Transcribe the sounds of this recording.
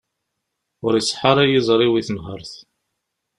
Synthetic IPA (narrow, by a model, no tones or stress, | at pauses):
ʊɾisˤħɑɾˤæjizˤɾˤiwiθənɦəɾˤθ